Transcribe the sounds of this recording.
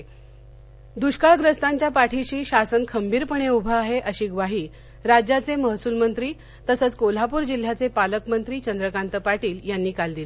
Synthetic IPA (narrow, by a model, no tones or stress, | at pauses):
d̪uɕkaɭɡɾəst̪aɲt͡ɕjapaʈʰiɕiːɕasənkʰəmbiːɾpəɳ̃eubʱəaɦeʔəɕiːɡʋaɦiː | ɾad͡ʑjat͡seməɦsuːlmənt̪ɾiː | t̪əsət͡skol̤apuːɾd͡ʑil̤jat͡sepaləkmənt̪ɾiːt͡ɕənd̪ɾəkant̪əpaʈiːljanːiːkald̪ile